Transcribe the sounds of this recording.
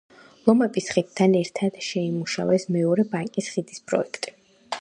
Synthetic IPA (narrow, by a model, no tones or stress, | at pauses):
lˠɔmɛpʼisχid̪̚t̪ʰːanɛɾt̪ʰad̪̥ʃɛimuʃa̰wɛsmɛɔɾɛbaŋkʼisχid̪ispʼɾɔ̰ɛkʰt̪ʼi̥